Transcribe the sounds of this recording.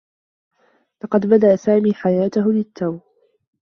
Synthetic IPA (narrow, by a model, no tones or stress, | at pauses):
lɑqɑd̪bad̪aʔsaːmiːħajaːt̪ʊɦʊlɪt̪ʰːaw